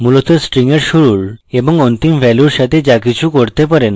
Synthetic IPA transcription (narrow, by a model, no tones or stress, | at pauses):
mulot̪əsʈɾiŋɡəɾɕuɾuːɭeʋə̃ŋɡɔ̃nt̪imʋɛluɾɕat̪ẽd͡ʑakit͡ɕũkoɾt̪epəɾẽn